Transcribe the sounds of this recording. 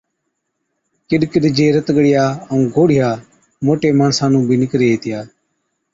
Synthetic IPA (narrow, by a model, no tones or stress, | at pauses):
kɪɗkɪɗd͡ʒeːɾət̪ɡɽɪjaːəũːɡoːɽɪjaː | moːʈeːmaːɳsãːnũːbiːnɪkɾeːt̪ɪjaː